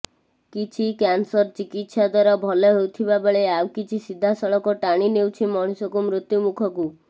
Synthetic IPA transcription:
kit͡ʃʰikansɔɾt͡ʃikit̪sad̪waɾɔbʱɔleɦewt̪ʰibabeɭeawkit͡ʃʰisid̪ʱːasɔɭɔkɔʈaɽ̃inewt͡ʃʰimɔɽ̃usɔkumɾut̪jumukʰɔku

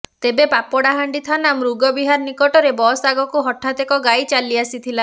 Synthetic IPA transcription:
t̪ebepapɔɽaɦaɳɖit̪ʰanamɾuɡɔbiɦaɾnikɔʈɔɾebɔsaɡɔkuɦɔʈʰːat̪ekɔɡajt͡ʃaliasit̪ʰila

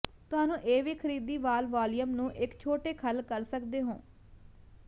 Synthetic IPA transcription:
t̪ʊɦaːnũːʔeːʋiːkʰəɾiːd̪iːʋaːlʋaːlijəmnũːʔɪkt͡ʃʰoːʈeːkʰəlkəɾsəkd̪eːɦõː

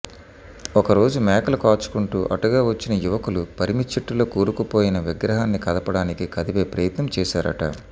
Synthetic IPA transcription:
ɔkɐɾo̞ːd͡ʒumɛːkɐlɐkaːt͡ʃu̥kuɳʈuːʔɐ̰ʈuɡaːʋɐt͡ʃːinɐjuʋɐkulupɐɾimit͡ʃːiʈːulo̞ːkuːɾukupo̞ːjinɐʋiɡɾɐɦaːnːikɐd̪ɐpɐɽaːnikikɐd̪iʋe̞ːpɾɐjɐt̪nɐmt͡ʃɛːʃa̰ːɾɐ̰ʈɐ̰

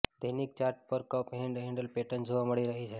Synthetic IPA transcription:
d̪ənik̚t͡ʃaːɾʈ̚pəɾkəpɦẽɳɖɦẽɳɖəlpeʈənd͡ʒʱoʋaməɽiɾəɦit͡ʃʰe

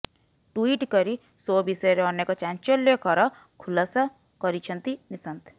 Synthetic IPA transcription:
ʈuiːʈkɔɾi | sobisɔɾeɔnekɔt͡ʃãnt͡ʃɔlːekɔɾɔ | kʰulasa | kɔɾit͡ʃʰənt̪inisənt̪

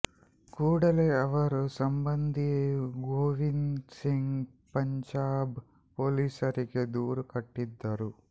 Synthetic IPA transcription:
kuːɽɐleɐʋɐɾusɐmbɐnd̪ʱiɡoːʋinsiŋɡ | pɐɲd͡ʒaːb | poːliːsɐɾikid̪uːɾukɐʈːid̪ːaːɾu

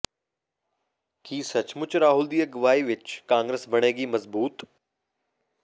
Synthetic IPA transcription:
kiːsɐt͡ʃmʊt͡ʃɾaːɦʊld̪iːəɡɐʋaːiʋɪt͡ʃkãːŋɡɾeːsbɐɽ̃eːɡiːmɐzbuːt̪

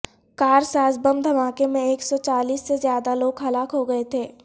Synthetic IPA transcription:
kaːɾsaːsbəmd̪ʱɐmaːkemẽeːksɔt͡ʃaːliːsːezjaːd̪aloːɡɦɐlaːkɦoɡɐet̪ʰeː

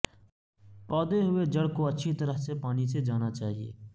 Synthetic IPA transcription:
pɔːd̪eɦʊed͡ʒɐɽkoɐtːʃʰit̪ɐɾəɦsepaːnised͡ʒaːnat͡ʃaːɦiḛː

